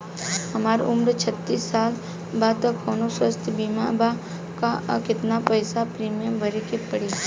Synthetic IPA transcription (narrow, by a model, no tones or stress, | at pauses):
ɦɐmaːɾʊmɾt͡ʃʰət̪ːiːsːaːl | baːd̪t̪akʰoːnoswəst̪ʰbiːma̰ba | kakɪt̪napəːsapɾiːmjəmbʱɐɾekepəɽe